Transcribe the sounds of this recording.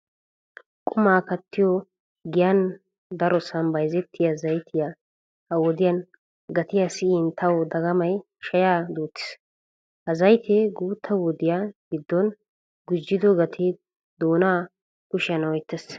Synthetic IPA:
kʼʊmaːkɐt̪ʰːɪjɔ | ɡɪjɐn | d̪ɐɾɔsɐnbɐjzɛt̪ʰːɪjazɐjt̪ʰɪja | hɐwɔd̪ɪjɐn | ɡɐt̪ɪjasɪɪnt̪ʰɐwd̪ɐɡɐmɐj | ʃɐjaːd̪uːt̪ːɪ̥s | hɐzɐjt̪ʰɛɡuːt̪ʰːɐwɔd̪ɪjaɡɪd̪ːɔn | ɡʊd͡ʒːɪd̪ɔɡɐt̪ʰɪ | d̪oːnaː | kʊʃɪjɐnɔjt̪ːɛs

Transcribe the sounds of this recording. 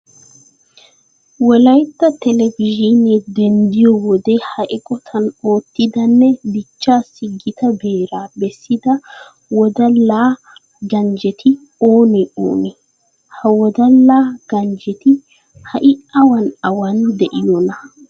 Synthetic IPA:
wɔlɐjt̪ːɐt̪ɛlɛvɪʒinɛd̪ɛnd̪ɪjɔwɔd̪ɛhɐʔɪkʼɔt̪ʰɐno̞ːt̪ːɪd̪ɐnːɛb̪ɪt͡ʃːaːsːɪɡɪt̪ɐbeːɾaːbɛsːɪd̪ɐ | wɔd̪ɐlːaː | ɡɐnd͡ʒɛt̪ʰɪ | oːnɛo̰ːnɛ | hɐwɔd̪ɐlːaːɡ̥ɐnd͡ʒɛt̪ɪ | hɐʔɪɐwɐnɐwɐnd̪ɛʔɪjɔnɐ

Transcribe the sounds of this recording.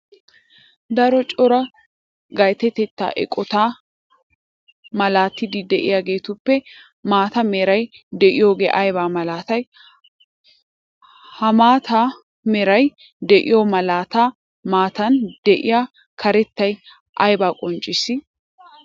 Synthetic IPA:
d̪ɐɾɔt͡ʃʼɔɾɐ | ɡɐjt̪ɛt̪ɛt̪ːa̰ːʔɛ̰kʼɔt̪aː | mɐlaːt̪ːɪd̪ɪd̪ɛʔɪ̰jaːɡe̞ːt̪ʊpːɛ | maːt̪ɐmɛɾɐjd̪ɛʔɪjo̞ːɡḛːʔɐjbaːmɐlaːt̪ɐj | hɐmaːt̪ʰaː | mɛɾɐj | d̪ɛʔɪ̰jomɐlaːt̪aː | maːt̪ɐnd̪ɛʔɪ̰jaː | kʰɐɾɛt̪ːɐj | ʔɐjbaːkʼɔnt͡ʃʼːɪsɪ

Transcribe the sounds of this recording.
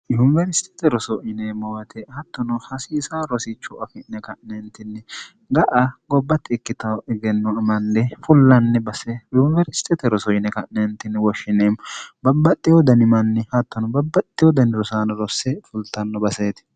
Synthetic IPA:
jʊnvɛɾɪst̪ɛ̥t̪ɛɾɔsɔʔɪnemɔwɐt̪ʰɛhɐt̪ːɔnɔhɐsiːsaːɾɔsɪt͡ʃːʊɐfɪnɛkɐʔnɛnt̪ːɪnːɛ | ɡɐʔɐɡɔbːɐt̪ːɪːkːɪt̪ɐwɛɡɛnːɔmɐnːɛfʊlːɐnːɛbɐsɛjʊnvɛɾɪst̪ʰɛt̪ɛɾɔsɔɪnɛkɐʔnɛnt̪ːɪnːɛwɔʃːɪneːmbɐbːɐt̪ʼːɪjɔd̪ɐnɪmɐnːɪhɐt̪ːɔnɔbɐbːɐt̪ʼːɪjɔd̪ɐnɾɔsaːnɐɾɔsːɛfʊlt̪ːɐnːɔbɐseːt̪

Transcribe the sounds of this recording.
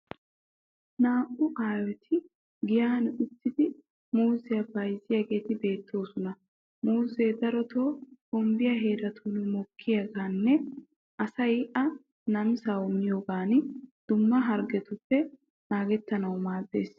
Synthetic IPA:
naːʔʊʔaːwɛt̪ʰɪ | ɡɪjaːnʊt̪ːɪd̪ɪ | muːzɛjɐbɐjzɪjaːɡe̞ːt̪ɪbe̞ːt̪ːo̞ːsʊnɐ | muːzeːd̪ɐɾɔt̪ʰoːhɔmbɪjaɦe̞ːɾɐt̪ʰuːnmɔkʰːɪjaɡaːnːɛ | ʔɐsɐjʔɐ | nɐmsawɔmɪjoːɡaːnd̪̥ʊmːɐɦɐɾɡɛt̪ʊpːɛ | naːɡɛt̪ːɐnɐwmaːde̞ːs

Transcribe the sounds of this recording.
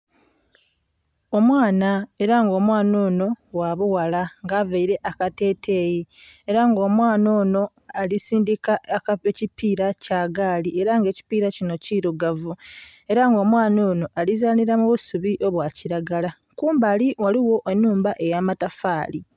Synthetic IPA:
o̞mwaːnae̞ɾaŋɡo̞ːmwaːno̞ːno̞waβuwalaŋɡaːvaiɾe̞ʔakate̞ːtʰe̞ːjieɾaŋɡo̞ːmwaːno̞ːno̞ | alisiːndikakaecipiːɾacaːɡaːlie̞ɾaŋɡe̞ːci̥piːɾacino̞ciɾuɡavu | e̞ɾaŋɡo̞ːmwaːno̞ːno̞ʔalizaːniɾamuβusuβiʔo̞βwaːciɾaɡala | kuːmbaːliwaliwo̞ʔe̞nːuːmbaʔe̞jaːmatafaːli

